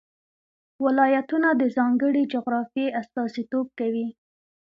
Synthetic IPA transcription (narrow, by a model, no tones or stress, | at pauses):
wɪlɑjat̪unad̪əzɑŋɡəɽid͡ʒʊɣɾɑfjeʔast̪ɑsit̪ob̚kawi